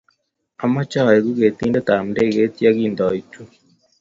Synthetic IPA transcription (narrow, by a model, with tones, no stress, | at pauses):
a˨ma˦t͡ʃa˦˨e˨ɣu˦ɣe˨t̪iː˦nda˦ta˨m̩˨de˦˨ɣe˦tja˦ɣi˦˨ndɔ˨i˨tu˦